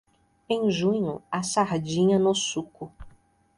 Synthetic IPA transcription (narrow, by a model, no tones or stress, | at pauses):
ẽj̃ʒũɲʊ̰asaɾd͡ʒĩɲɐnʊsukʊ